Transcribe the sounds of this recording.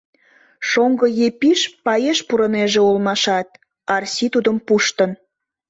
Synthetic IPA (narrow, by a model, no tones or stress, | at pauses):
ʃoŋɡəjepiʃpɑjeʃpuɾə̆neʒeulmɑʃɑt̪̚ | ɑrsʲit̪ud̪əmpuʃt̪ən